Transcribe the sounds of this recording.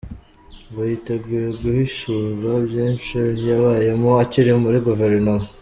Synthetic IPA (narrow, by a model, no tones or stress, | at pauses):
βajiteɡɡujeɡuhiʃuɾabjiːnʃiijaβaje̞moaciɾimuɾiɡuveɾnomo